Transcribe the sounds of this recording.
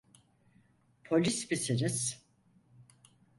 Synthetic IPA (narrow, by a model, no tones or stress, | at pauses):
pʰo̞lʲisbisiɾiz̥